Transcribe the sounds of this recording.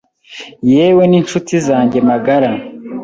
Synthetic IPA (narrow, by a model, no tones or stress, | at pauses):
je̞ːwe̞nint͡ʃutizaːɲɟe̞maɡaɾa